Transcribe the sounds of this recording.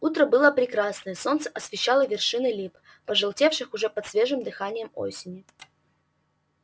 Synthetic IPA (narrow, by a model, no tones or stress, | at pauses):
ut̪ɾəbɨlˠəpɾʲɪkɾasnəjəso̞nt̪sə̥ʔɐsvʲɪɕːalˠəvʲɪrʂɨnɨlʲip | pəʐɨlˠtʲe̞fʂɨxʊʐɛpət̪svʲeʐɨmd̪ɨxanʲɪjəmo̰sʲɪnʲɪ